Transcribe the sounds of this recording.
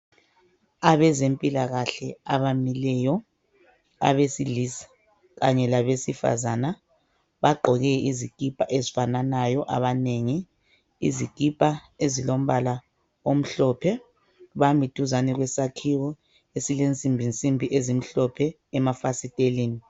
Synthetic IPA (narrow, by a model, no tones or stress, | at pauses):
aβɛzempʼilaɣaɬɛaβamilɛːjɔ | a̰βesiɮisḁ | ɣaɲɛlaβesifa̰zana | βaɡ͡ǃʱɔɣɛiziɡ̥ʱʼipʼaʔezifananajɔʔa̰βaneŋiː | zikʼipʼaezilom̩βala | om̩ɬɔːpʰɛ | βamitʼuzanɛɣwɛsakʰiwɔ | esilent͡sʼimbʱint͡sʼimbʱiʔezim̩ɬɔpʰɛː | mafasitʼeliːni